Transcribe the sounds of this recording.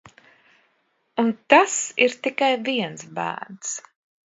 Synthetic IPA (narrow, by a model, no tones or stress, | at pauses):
unt̪asiɾt̪ikajviɛnsbæ̰ːɾns